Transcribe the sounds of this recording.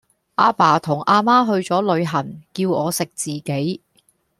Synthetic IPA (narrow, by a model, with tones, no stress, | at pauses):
ʔaː˧paː˨˩t̪ʰʊ˨˩ŋʔaː˧maː˥ɦɵ˧ɥt͡sɔː˨˥lɵ˨˧ɥɦɐ˨˩nkiː˧wɔː˨˧sɪ˨k̚t͡siː˨ke˨˥j